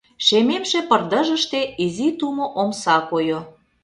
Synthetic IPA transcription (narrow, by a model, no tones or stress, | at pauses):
ʃememʃĕpə̆rd̪ə̆ʒə̆ʃt̪eizit̪umoʔomsɑkojo